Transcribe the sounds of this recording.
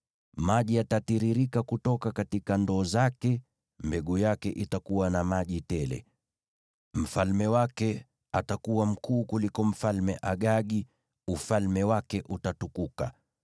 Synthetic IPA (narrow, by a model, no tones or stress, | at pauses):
maʄiatatiɾiɾikakutɔkakatikandɔːzakɛ | mbɛɠujakɛʔitakuwanamaʄitɛlɛ̰ | m̩falmɛwakɛ | atakuwam̩kuːkulikɔm̩falmɛʔaɠaɠi | ufalmɛwakɛʔutatukuka